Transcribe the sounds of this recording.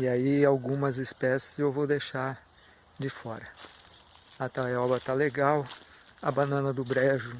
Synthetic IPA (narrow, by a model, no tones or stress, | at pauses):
iaiawɡũmɐzɪspɛsɪ̥zewvowd̪ejʃaɾ | d͡ʒɪfɔɾɐ | at̪aɛɔbɾɐt̪aleɡawɐbanɐ̃nɐd̪ʊbɾɛʒʊ